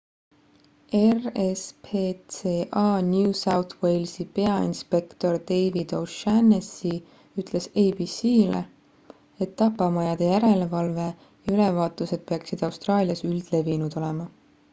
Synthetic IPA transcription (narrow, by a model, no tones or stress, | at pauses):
erespʰet̪seːʔɑːnjusɑwt̪we̞jlsipe̞ɑḭnspe̞kt̪o̞rd̪̥e̞jvid̪̥owʃænesi | yt̪ˑle̞sejbisiːlḛ | e̞t̪ːɑpːɑmɑjɑd̪̥e̞jæɾe̞le̞vɑlve̞ | jɑylevɑːt̪luse̞d̪̥̚pe̞ɑksid̪̥ɑwst̪rɑːlʲijɑsyld̪̥le̞vinud̪̥o̞lemɑ